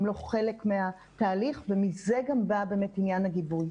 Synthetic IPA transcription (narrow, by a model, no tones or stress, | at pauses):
mlo̞χelekmea | taːliχvemizeɡambabeːmetinjanaɡibuj